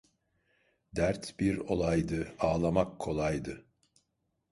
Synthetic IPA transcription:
d̪æɾt̪b̥iɾo̞lˠajd̪ɯaːlˠamakʰːo̞lˠajd̪ɯ

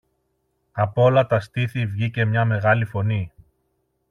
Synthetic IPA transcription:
ɐpo̞lɐt̪ɐst̪iθivʝice̞mɲɐme̞ɣɐlifo̞ni

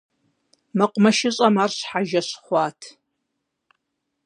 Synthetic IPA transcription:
mɐqʷʼmɐʃɪɕʼɐmaːrɕħaʒɐɕχʷɑːtʰ

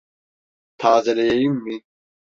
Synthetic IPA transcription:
t̪ʰaːzɛlɛjɛjimːi

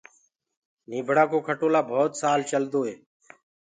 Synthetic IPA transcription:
niːbʱɽaːkoːkʰəʈoːlaːbʱoːt̪saːlt͡ʃəld̪oːɦeː

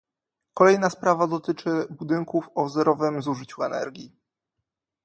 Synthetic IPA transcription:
kɔlɛjnaspɾavad̪ɔt̪ɘt͡ʂɘbud̪ɘŋkufɔvzɛɾɔvɘmzuʐɘt͡ɕuɛnɛ̰ɾɡʲi

